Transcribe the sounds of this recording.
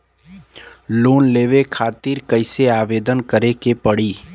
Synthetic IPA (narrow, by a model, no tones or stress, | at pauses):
loːnleːʋekʰaːt̪iːɾkəɪseaːʋeːd̪ənkəɾekepəɽiː